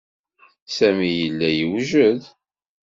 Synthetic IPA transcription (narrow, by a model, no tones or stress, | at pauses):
sæmijəlːæjəwʒəð